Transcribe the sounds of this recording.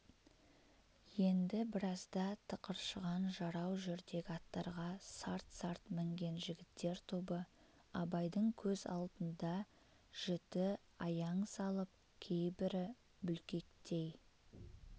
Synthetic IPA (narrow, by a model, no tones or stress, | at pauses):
je̞nd̪ɪbɪɾɑzd̪ɑt̪ʰəqəɾʃəʁɑnʒɑɾɑwʒʏɾd̪e̞ɡʲɪɑt̪ːɑɾʁɑsɑɾt̪sɑɾt̪mɪŋɡʲe̞nʒɪɡʲɪt̪ːe̞ɾt̪ʰubə | ɑbɑjd̪əɴkʲʰɵzɑ̰lˠd̪ənd̪ɑ | ʒ̥ʏt̪ɪ | ɑjɑɴsɑlˠəp̚ | kʲʰe̞jbɪɾɪ | bʏlkʲe̞kt̪e̞j